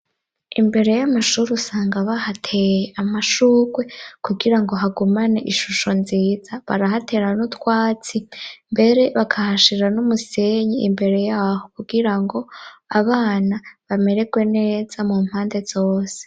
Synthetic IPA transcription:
imbe̞ɾe̞jamaʃuɾiusaːŋɡaβahatʰe̞jeʔamaʃuːɡwe̞kuɡiɾaŋɡo̞ɦaɡumaneʔiʃuʃo̞nziːzaβa̰ɾahatʰe̞ɾanutwaːt͡simbe̞ɾe̞βakʰahaʃiɾanumuse̞ɲiimbe̞ɾe̞jaːho̞kuɡiɾaŋɡo̞aβaːnaβame̞ɾe̞ɡwe̞ne̞ːz̥amum̥haːnde̞z̥o̞ːse̥

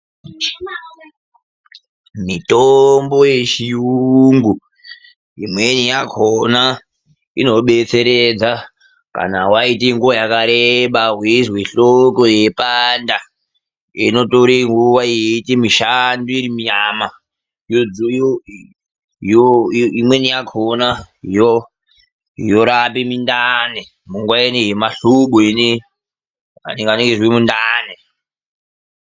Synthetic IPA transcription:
mitombo̞je̞t͡ʃiuŋɡu | imwe̞nijakʰona | ḭno̞ɓe̞t͡se̞ɾed͡za | ka̰nawaitiŋɡuwajakaɾeɓaɦwizweɬoko̞je̞panda | ino̞toɾeŋɡuwajeitemiʃanduiɾimiɲama | jod͡zj | joimwenijakʰonaɦijo | joɾapimindane | muŋɡwaenejemaɬuɓuine | a̰nŋɡaneŋɡezwemundane

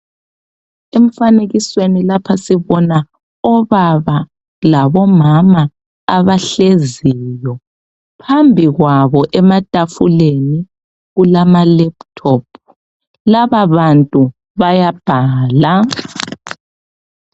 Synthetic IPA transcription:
em̩faneɣiswenilapʰasiβɔna | ɔβaβa | laβɔmamaː | βaɬeziːjɔ | pʰambʱiɣwaβɔʔɛmatʼafṵleni | ɣulamalɛp̚tʰɔpʰ | laβaβantʼu | βajab̥ʱaːla

